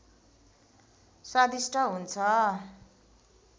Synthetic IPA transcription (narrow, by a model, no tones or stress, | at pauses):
sad̪isʈʰʌɦunt͡sʰʌ